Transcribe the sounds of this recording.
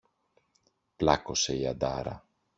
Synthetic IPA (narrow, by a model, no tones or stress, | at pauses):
plɐko̞se̞iɐ̰d̪ɐɾɐ̰